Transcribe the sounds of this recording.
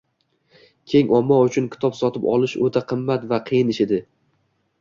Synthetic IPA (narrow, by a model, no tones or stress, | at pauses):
kʲʰe̞ŋʔɒmːɒʊt͡ʃʰʊnkʲʰɪ̥t̪ʰɒpsɒt̪ʰɪpɒlˠɪʃot̪ʰaqʰɨmːat̪vaqʰɨjɪnɪʃɪd̪ɪ